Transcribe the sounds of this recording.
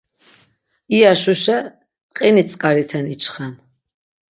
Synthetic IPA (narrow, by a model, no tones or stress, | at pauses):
iaʃuʃɛ | qʼɛnit̪sʼkʼaɾit̪ʰɛnit͡ʃʰχan